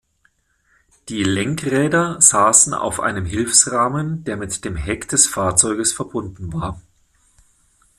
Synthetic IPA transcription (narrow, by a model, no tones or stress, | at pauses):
d̥iːlɛŋkʁɛːdɐz̥aːsn̩a̰ʊfʔa̰ɪnəmɦɪlfsʁaːməndeːɐmɪtd̥eːmɦɛkd̥ɛsfaːɐt͡sɔʏɡəsfɛɐbʊndn̩vaːɐ